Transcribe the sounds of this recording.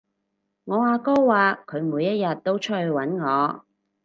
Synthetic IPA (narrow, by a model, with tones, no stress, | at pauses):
ŋɔː˨˧aː˧kɔː˥waː˨kʰɵ˨˧ɥmuː˨˧jɐ˥t̚jɐ˨t̚t̪o˥wt͡ʃʰœ˥hwɐ˨˥nŋɔː˨˧